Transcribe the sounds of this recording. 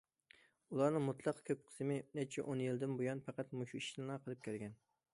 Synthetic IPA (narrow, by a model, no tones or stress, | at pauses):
ulˠɑɾnɨŋmut̪ʰlˠɑqkʲʰøp̚qʰə̥smɪnɛt͡ʃʰɛ̰ʔonjild̪ɪnbojɑnpæqæt̪muʃui̥ʃnɑqʰəlˠɨp̚kʲælɡʲɛn